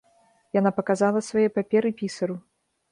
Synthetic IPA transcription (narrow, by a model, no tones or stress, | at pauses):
janapɐkazalˠɐsvajɛjpapʲɛɾɨpʲisɐɾu